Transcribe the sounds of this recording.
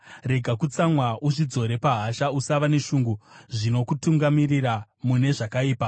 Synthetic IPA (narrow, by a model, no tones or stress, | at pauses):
re̞ɡʱakut͡samwauʐid͡zo̞ɾe̞paɦaʃausaʋane̞ʃuːŋɡuʐino̞kutuŋɡamirira | mune̞ʐakaiːpa